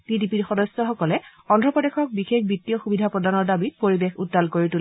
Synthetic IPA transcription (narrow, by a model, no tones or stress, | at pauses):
tidipiɹxɔdɔsjɔxɔkɔlɛɔndʱɹɔpɔdexɔk̚bixek̚bitːiɔxubidʱapɹɔdanɔɹdabit̚poɹibexutːalkoɹitul